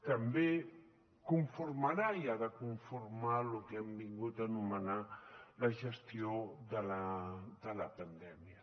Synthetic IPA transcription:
t̪ambe | kuɱfuɾmaɾaiaðəkuɱfuɾmalukɛmbiŋɡut̪anumənaləʒəst̪ioðələd̪ələpənd̪ɛmjə

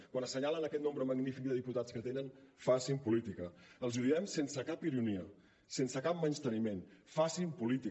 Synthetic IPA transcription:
kwanəsəɲalənəkɛt̪nõmbɾəməɡnifik̚d̪əðiput̪at͡skət̪enənfasimpulit̪ikəəlˠzuðiɛmsensəkapiɾuniə | sensəkap̚mənst̪ənimenfasimpulit̪i

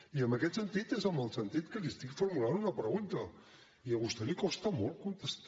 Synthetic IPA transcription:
iəmbəkɛt̪sənt̪it̪ezəmbəlˠsənt̪it̪kəlist̪ikfuɾmuland̪unəpɾəɣunt̪ə | iəɣust̪ɛlikɔst̪ɐmɔlˠkunt̪əst̪

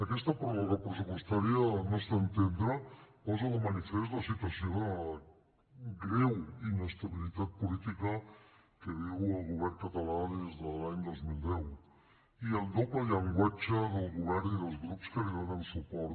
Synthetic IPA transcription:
akɛst̪apɾoβaɣapɾəs̬upwest̪aɾjanost̪ant̪end̪ɾapɔzalomanifest̪lasit̪wasjona | ɡɾewinest̪aβilit̪at̪̚pulit̪ika | keðiwalɣuβɛɾkat̪alaðezðəlaɲd̪ozmild̪ɛw | ield̪oplajaŋɡwat͡ʃaðəlɣuβɛɾniðəlˠzɣɾupskəliβanansupɔɾ

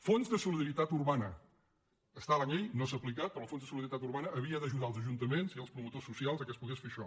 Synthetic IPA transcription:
fonzðəsuliðəɾit̪at̪urβanə | əst̪alaɲejnosəplikat̪̚pɾɔlˠfonzðəsuliðɾit̪at̪uɾβanəʔːβiəðəʒuðalˠzəʒunt̪əmenziəlˠspɾumut̪osːusialˠzəkəspuɣesfeʃɔ

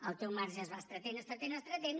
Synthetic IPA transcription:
əlˠt̪ewmaɾʒəːzβast̪ɾət̪enəst̪ɾət̪enəst̪ɾət̪en

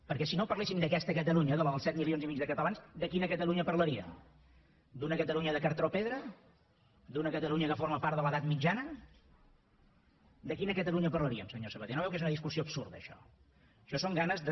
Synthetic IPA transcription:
pəɾkɛsinopəɾlesimd̪əkɛst̪əkət̪əluɲəðəllˠsɛt̪milionzimid͡ʒðəkət̪əlanzd̪əkinəkət̪əluɲəpəɾləɾiə̰m | d̪unəkət̪əluɲəðəkəɾt̪ɾopeðɾə | d̪unəkət̪əluɲəkəfoɾməpaɾt̪ðələðat̪mid͡ʒanə | d̪əkinəkət̪əluɲəpəɾləɾiə̰msəɲosəβət̪enoβɛwkezunəðis̬kusiobsuɾðəːʃɔ̰ | ʃɔsoŋɡanəzð

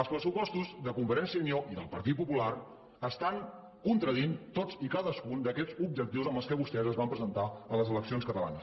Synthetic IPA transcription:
əlˠspɾəsupɔst̪uzðəkuɱfəɾɛnsiənioʔiðəlˠpəɾt̪it̪̚pupulaɾ | əst̪aŋ | kunt̪ɾəðint̪ot͡sd͡zikaðəskund̪əkɛd͡zub̚d͡ʒək̚t̪iwzəmbəlˠskɛβust̪ɛzəzβampɾəzənt̪aələzələksionskət̪əla̰nəs

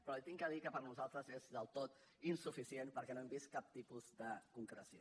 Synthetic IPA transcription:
pɾɔt̪iŋkəðikəpəɾnuzalˠt̪ɾəzezðəlˠt̪ot̪ | insufisienpəɾkɛnoɛmbist̪̚kap̚t̪ipuzd̪əkuŋkɾəsio

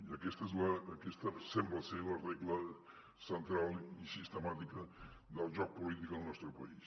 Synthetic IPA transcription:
iəkɛst̪əɛzləːkɛst̪əsɛmbləseləreɣlə | sənt̪ɾalˠisist̪əmat̪ikə | ðəlˠʒɔk̚pulit̪ikəlˠnɔst̪ɾəpə̰is

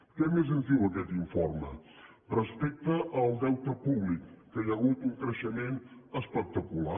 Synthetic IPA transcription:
kɛmezənzd̪iwəkɛt̪iɱfoɾmə̰ | rəspɛk̚t̪əʔəlˠd̪ɛwt̪əpuβlikːəjəɣut̪uŋkɾəʃəmenəspək̚t̪əkula

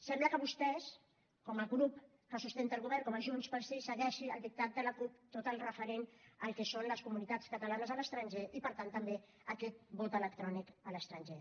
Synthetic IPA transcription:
sɛmbləkəβust̪ɛs | kɔməɣɾup̚ | kəsust̪ent̪əlˠɣuβɛɾrŋkɔməʒunspəlˠsisəɣɛʃiəlˠd̪ik̚t̪at̪̚d̪ələkup̚t̪ot̪əlˠrəfəɾenəlˠkɛsonləskumunit̪at͡skət̪əlanəzələst̪ɾənʒeʔipəɾt̪ant̪əmbe | əkɛt̪̚bɔt̪ələkt̪ɾɔnikələst̪ɾənʒe

